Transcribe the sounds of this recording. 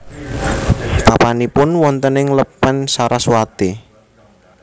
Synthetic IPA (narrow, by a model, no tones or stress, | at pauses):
papanipʊnwɔnt̪ənɪŋləpːənsaɾʔaswat̪i